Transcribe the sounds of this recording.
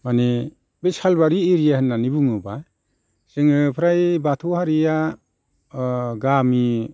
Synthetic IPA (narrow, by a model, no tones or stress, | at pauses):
mani | besalbaɾiːɾijahɯnːanibuŋɯba | seŋɯpʰɾajbatʰuhaɾija | ɡami